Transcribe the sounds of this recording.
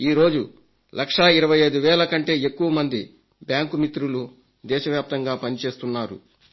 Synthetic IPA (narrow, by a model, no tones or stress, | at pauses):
iːɾo̞ːd͡ʒu | lʔɐkʂɐiɾɐʋɐjɐjd̪uʋɛːlɐkɐɳʈe̞ːekːuʋɐmɐnd̪i | bjaːŋkumit̪ɾulu | d̪ɛːʃɐʋjaːp̚t̪ɐŋɡaːpɐnit͡ʃe̞ːst̪unːaːɾṵ